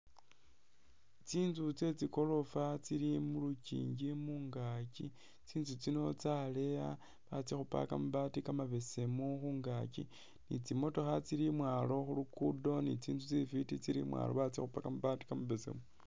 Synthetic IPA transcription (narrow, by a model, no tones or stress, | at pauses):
t͡siːnzut͡se̞t͡siko̞lo̞fat͡siɾimulucḭːɲɟimuŋɡacḭ | t͡siːnzut͡sino̞t͡sale̞ja | βat͡sixupa̰ka̰muβaːtikamaβe̞se̞muxuːŋɡacḭ | nit͡simo̞to̞xat͡siɾimwaːlo̞xulukudo̞nḭt͡siːnzut͡sifitit͡siɾḭmwa̰lo̰βat͡sḭxupakamuβati̥kamaβese̞̰mu